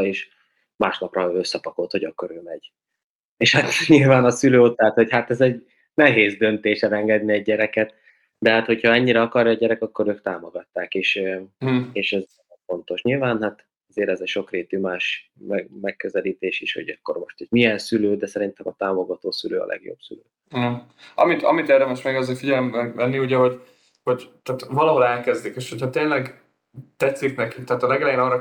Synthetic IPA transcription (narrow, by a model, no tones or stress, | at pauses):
eːʃ | maːʃnɒprɒøsːɛpɒko̞lt̪ho̞ɟɒkːo̞ɾøːmɛɟ | eːʃhat̪ɲilvaːnɒsyløːot̪ɦat̪ho̞chat̪ɛzɛɟ | nɛɦeːzd̪ø̞nt̪eːʃɛlɛŋɡɛd̪niɛɟːɛɾɛkɛt̪ | d̪ɛɦaːt̪ho̞chɒɛɲːiɾɛɒkɒrjɒːɟɛɾɛkɒkːo̞ɾøːkt̪aːmo̞ɡɒt̪ːaːkeːʃ | eːʃɛz | fo̞nt̪o̞ʃɲilvaːnɦat̪ | ɛzeːɾɛzɛcʃo̞kreːt̪ymaːʃmɛɡmɛkːøzɛliːt̪eːʃiʃho̰ɟɒkːo̞rmo̞̰ʃt̪ɛɟmijɛnsyløːd̪ɛsɛɾint̪ɛmɒt̪aːmo̞ɡɒt̪oːsyløːɒ̰lʔɛ̰ɡjo̰bsylø̰ː | ɒ̰mit̪ɒmit̪ɛrd̪ɛmɛʃmɛɡɒzefiɟɛlɛmɛvɛnːiuɟɛɦo̞ɟ | ho̞ɟt̪aːt̪vɒlɒɦo̞lɛlkɛzd̪ikeːʃhochɒt̪eːnlɛɡ | t̪ɛsːiknɛkit̪ɛaːt̪ɒlɛɡɛlɛjeːnɒrɒ